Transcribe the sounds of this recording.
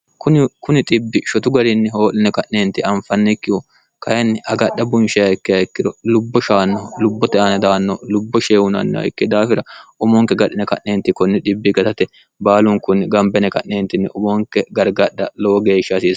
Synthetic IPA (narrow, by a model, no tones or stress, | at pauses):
kʊnɪkʊnɪt̪ʼɪbːɪʃɔt̪ʊɡɐɾɪnːɪɦo̞ːlːɪnɛkɐʔneːnt̪ːɪɐmfɐnːɛkːɪwɔ | kɐjɐnːɪʔɐɡɐɗːɐbʊnʃɛjɐjɪkːɪɐɪkːɪd̪ɔlʊbːɔʃaːnːɔlʊbːɔt̪ɛɐnɐd̪aːnːɔlʊbːɔʃeːwʊnɐ̰nːɛ̰ɐ̰jkːɛd̪aːfɪɾɐʊmɔŋkːɛɡɐɗɪnɛkɐʔneːnt̪ːɪkɔnːɛᶑɪbːɪɡɐt̪ɐt̪ɛ | baːlʊŋkʊnɪɡɐmbɛnɛkɐʔneːnt̪ɪnːɪʊmoŋkːɛɡɐɾɡɐɗːɐloːɡe̞ːʃːɐsiːs